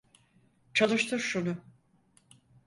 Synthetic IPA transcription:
t͡ʃʰalˠɯʃt̪ʰɯɾʃunʊ

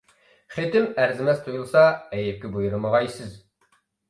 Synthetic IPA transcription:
χet̪ɪmæɾzɪmɛst̪ʰujulˠsɑɛjɪp̚kʲɛbujuɾɨməʁɑjsɪz

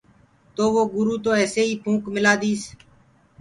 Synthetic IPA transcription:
t̪oːʋoːɡʊɾuːt̪oːɛːseːiːpʰũːkmɪlaːd̪iːs

